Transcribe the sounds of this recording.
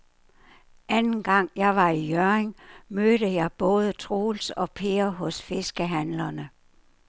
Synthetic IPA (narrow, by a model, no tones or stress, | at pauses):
ʔænn̩ɡ̥ɑ̈ŋ̰jɑ̈ɪʋɑ̈ijøeŋmøːɾ̥əjɑ̈ɪb̥ɔ̽ːð̞ˠət͡sʰʁoːlsɒ̽pʰe̝ɐɦɔ̽sfe̝sɡ̥əɦænlɐnə